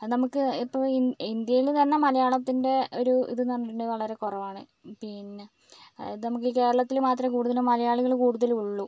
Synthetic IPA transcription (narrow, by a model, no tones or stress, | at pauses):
nɐmukːɨipːɐiind̪jɐjilt̪ɐnːe̞mɐlɐjaːɭɐt̪ːinde̞o̞ɾuḭðɨnɐrɐnːiʈːuɳɖɨʋɐɭɐɾe̞kurɐʋaːɳɨ | pinːe | nɐmuk̬ːike̞ːɾɐɭɐt̪ːilmaːt̪rɐmkuːɽuðɐlumɐlɐjaːɭuɣɐɭkuːɽuðɐluɭːu